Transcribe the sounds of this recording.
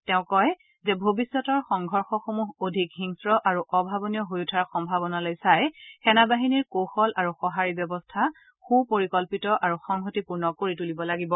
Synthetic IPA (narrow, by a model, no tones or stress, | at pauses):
tɛʊ̃kɔj | zɛbʱobisːɔtɔɹxɔŋɡʱɔɹxɔxomuɦodʱikɦiŋsɹɔʔaɹuʔɔbʱabɔnijɔɦojutʰaɹxɔmbʱabɔnalojsajxɛnabaɦiniɹkoxɔlʔaɹuxɔɦaɹibjɔbɔstʰa | xupoɹikɔlpitɔʔaɹuxɔŋɦotipuɹnɔkoɹitulibɔlaɡibɔ